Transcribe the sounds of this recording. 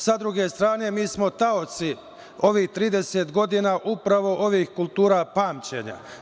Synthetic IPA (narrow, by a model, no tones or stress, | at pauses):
sad̪ɾuɡe̞st̪ɾaːne̞miːsmo̞t̪ao̞t̪si | o̞ʋiːht̪ɾiːd̪e̞se̞ːt̪ɡo̞d̪iːnaːʔupɾaʋo̞ʔo̞ʋiːxkulˠt̪uːɾaːpaːmt͡ɕe̞̰ɲa̰